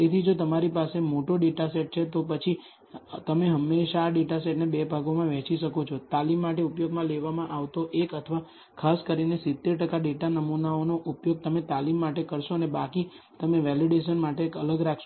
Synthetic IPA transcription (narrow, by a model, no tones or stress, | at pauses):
et̪ʰid͡ʒot̪əmaɾipasemoʈoɖeʈaseʈ̚t͡ʃʰet̪opət͡ʃʰi | t̪əmeɦəmːeʃaːɖeʈaseʈnebebʱaɡomãʋɛ̃t͡ʃiʃəkot͡ʃʰot̪alimːaʈeupjoɡmãleʋamãʔaʋt̪oʔekət̪ʰəʋa | kʰaskəɾinesɪt̪ːeɾʈəkaɖeʈanəmunaonoʔupjoɡ̚t̪əmet̪alimːaʈekəɾʃoənebaki | t̪əmeʋɛliɖeʃənmaʈeːkələɡɾakʰʃo